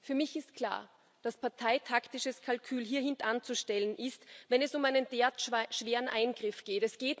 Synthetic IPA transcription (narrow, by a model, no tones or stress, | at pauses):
fyːɐmɪçɪst̚kʰl̥a̰ːɐ | d̥aspaɐtʰaɪtʰaktɪʃəskʰalkʰyːlɦiːɐɦɪntant͡suʃtɛlənʔɪstvɛnɛsʊmaɪnənd̥eːɐtʃv̥eːʁənʔaɪnɡ̥ʁɪfɡ̥eːtɛsɡ̥eːt